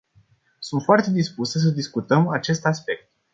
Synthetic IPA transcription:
sunt̪foart̪e̞d̪ispusəs̬əd̪iskut̪əmat͡ʃe̞st̪aspe̞k̚t̪̚

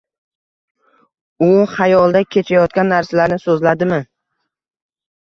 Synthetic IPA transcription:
ʊhajɒlˠd̪akʲʰe̞t͡ʃʰajɒt̪̚kʲanːaɾsalaɾnɪsɵzlad̪ɪmɪ

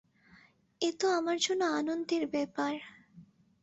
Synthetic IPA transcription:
et̪oamaɾd͡ʑonːoanond̪iɾbɛpaɾ

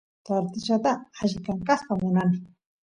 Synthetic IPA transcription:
t̪aɾt̪ɪʃat̪aaʃkaŋkaχpamʊnanɪ

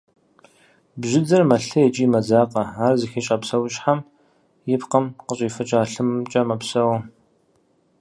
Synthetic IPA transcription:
bʒɪd͡zɐrmɐɬɐjɛt͡ʃʼiːmɐzaːqʼɐaːrzɨxiɕʼɐpsɐwʊɕʼħam | jɪpqəmqəɕʼiːfɐt͡ʃʼaːɬɨmmt͡ʃʼɐmɐpsɐwɐ

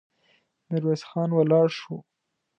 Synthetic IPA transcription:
nɪɾwesxɑnwalɑɽʃu

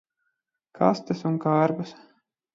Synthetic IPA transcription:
kʰa̰st̪ɨsuŋkaɾbɐs

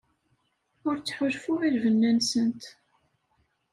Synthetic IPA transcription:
ʊɾt͡sːħʊlfʊʁiɾvənːænsənt̪

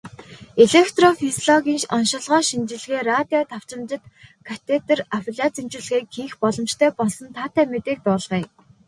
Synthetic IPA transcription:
eɮekt̪rɔfisɮɔɣʲiːnɔnʃɔ̆ɮʁɔːʃint͡ɕɪ̆ɮɣeːrat̪iɔt̪ʰaw̥t͡ɕɪ̆mt͡ɕɪ̆t̪kʰat̪ʰet̪ə̆rawɮʲat͡simt͡ɕɪ̆ɮɣeːkɡiːxpɔɮɞ̆mt͡ɕt̪ʰœːpɔɮsɞ̆nt̪ʰaːt̪ʰæːmet̪eːk̚t̪ʊːɮʁiː

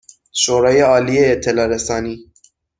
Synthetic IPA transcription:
ʃoɾɑːjeɑːliejet̪ʰɛlɑɾɛsɑːniː

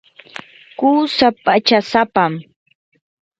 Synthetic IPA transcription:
kuːsapat͡ʃasapam

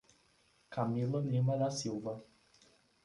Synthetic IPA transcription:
kamilʊlĩmɐd̪ɐsiwvɐ

